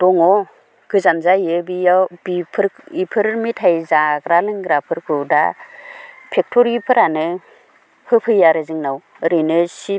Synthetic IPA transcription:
d̥ɔŋɔ | ɡ̥ɯzamzajɯbiabipʰɯɾipʰɯɾmitʰajzaɡɾalɯŋɡɾapʰɯɾkʰɯda̰ | pʰek̚tʰɔɾipʰɯɾanɯ | hɯpʰɯjaɾɯzɯŋnaw | ɾɯjnɯsi

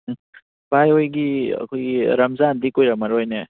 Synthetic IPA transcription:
bajojɡiɐ̰kʰojiɾɐmzandikojɾɐmɐɾojne

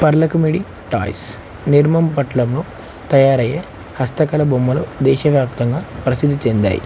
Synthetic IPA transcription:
pɐɾlɐkɐmiɽi | ʈa̰ːjs | niɾmɐmpɐʈlɐmloː | t̪ɐjaːɾɐjːeː | hɐst̪ɐkɐlɐbomːɐlod̪ɛːʃɐʋjaːpt̪ɐŋɡaːpɾɐsid̪ːit͡ʃend̪a̰ːjḭ

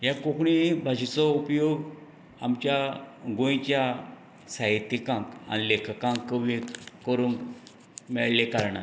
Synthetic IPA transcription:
jakokɳibʱad͡ʑit͡sɔupjoɡ | amt͡ɕjaɡõjt͡ɕja | saɦit̪ːikãŋka̰nilekʰkãŋkːəʋikəɾũŋk | mɛɭlekaɾɳa̰ɾ

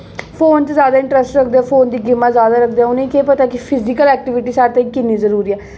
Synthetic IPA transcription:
pʰoːnt͡ʃəzjaːd̪aːɪ̃ɳʈɾəsʈɾəkʰd̪eɛːpʰoːnd̪iːɡɪmːaːzjaːd̪aːɾəkʰd̪eːɛːʊnẽĩːkeːpət̪aːkɪpʰɪzɪkəlɛːk̚ʈɪʋɪʈiːsaːɾt̪ãiːkɪnːiːzəɾuːɾiːɛː

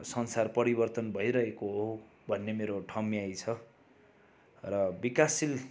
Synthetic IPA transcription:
sʌnsarpʌɾibʌrt̪ʌnbʱʌjɾʌɦekoɦo | bʱʌnːemeɾoʈʰʌmiajt͡sʰʌ | rʌbikasil

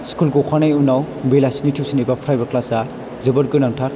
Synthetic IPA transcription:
skulɡokʰanajunaw | belasnitʰiwsinibapʰɾajbɐɾklasa | zɯbɐɾɡɯnaŋtʰaɾ

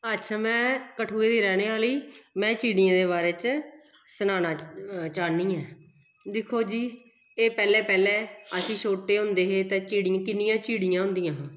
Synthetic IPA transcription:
ətːʃʰaːmɛ̃ːkəʈʰuːeːd̪iːɾɛːneːaːliːmɛ̃ːt͡ʃiːɽɪjãːd̪eːβaːɾeːt͡ʃ | sənaːnaːt͡ʃaːniːɛː | d̪ɪkʰːoːd͡ʒiː | eːpɛːlɛːpɛːleːəsĩːsoːʈːeːɦʊ̃nd̪eːɦeːt̪eːt͡ʃiːɽɪãkɪnɪjãːt͡ʃiːɽɪjãːɦʊ̃nd̪ijãːɦː

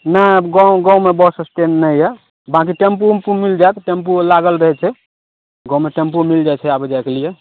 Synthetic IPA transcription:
nəɡãwɡãumebəsəsʈenːəɛ | bãk̬iʈempupumild͡ʒajt̪ʈempulaɡəlɾəɦɛt͡ʃʰɛ | ɡɔ̃meʈempumild͡ʒajt͡ʃʰɛabed͡ʒajkelije

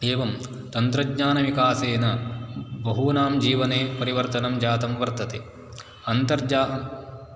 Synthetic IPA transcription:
eːʋɐm | t̪ɐnt̪ɾɐɡɲaːnɐʋikaːseːnɐbɐɦuːnaːmd͡ʒiːʋɐneːpɐɾiʋɐɾt̪ɐnɐmd͡ʒaːt̪ɐmʋɐɾt̪ɐt̪e | ɐnt̪ɐɾd͡ʒaː

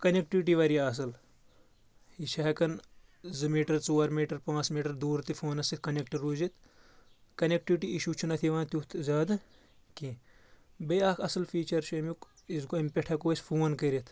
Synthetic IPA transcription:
kɐnek̚ʈiʋiʈiʋɐɾijaɐs̬ɨl | iʃʰɐɦɐkɐn | zɨmiːʈɐɾt͡soːɐɾmiːʈɐɾpãːt͡smiːʈɐɾd̪uːɾt̪ifʰoːnɐsit̪̚kɐnek̚ʈɐɾːuːzit̪ʰ | kɐnek̚ʈiʋʈiiʃut͡ʃʰunɐt̪ʰiʋaːnt̪jut̪ʰzaːd̪ɨ | kĩ | bɐaːkʰɐsɨlfiːt͡ʃɐɾʃɐmjuk | izɡoimpʲeʈʰɐkoːɐsfʰuːnkɐɾit̪ʰ

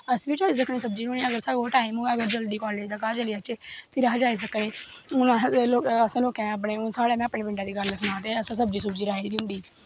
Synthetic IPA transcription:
əsʋɪt͡ʃɦoːiːs̬əkniːsəb̚d͡ʒiːɾoːniːəɡəɾsaːʈaːimuːəɡəɾd͡ʒəld̪iːkɔːɾleːd̪akaːt͡ʃəliːət͡ʃeːpʰɪɾɦd͡ʒaːis̬əkneːʊnãːloːkəsãːloːkɛ̃ːəp̬ɳeːʊsaːɽeːmɛ̃ːəpneːbɪ̃ɳɖaːd̪iːɡələsnãːt̪eːəsãːsəb̚d͡ʒiːsəbd͡ʒiːɾaːiːd̪ɪ̃nd̪iː

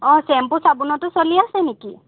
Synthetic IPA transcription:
ɔ̃sɛmpusabunɔtɔsɔliasɛneki

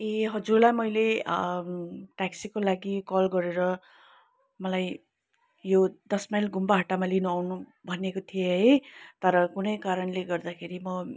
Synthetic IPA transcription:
eɦʌd͡zurlajmʌjle | ʈaksikolaɡikʌlɡʌɾeɾʌ | mʌlaj | jod̪ʌsmajlɡumbaɦaʈamalinuawnubʱʌnekot̪ʰijeɦʌjt̪ʌɾʌkunʌjkaɾʌnleɡʌrd̪akʰeɾimʌ

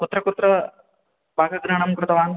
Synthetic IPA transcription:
kut̪ɾɐkut̪ɾɐ | bʱaːɡɐɡɾɐɳ̃ɐmkɾʊt̪ɐʋaːn

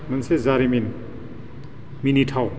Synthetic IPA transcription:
mɐnsezaɾimin | minitʰaw

